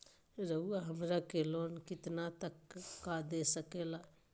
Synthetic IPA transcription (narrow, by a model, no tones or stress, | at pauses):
ɾəuaɦəmɾakeloːnkɪt̪nat̪əkːad̪esəkeːla